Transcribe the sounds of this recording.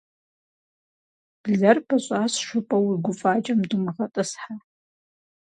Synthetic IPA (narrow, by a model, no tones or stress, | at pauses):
b̥ɮɐrbʰaɕʷʼasʃʷʊpʼawirɡʷʊfʼat͡ʃʼamdumʁatʼɨsħa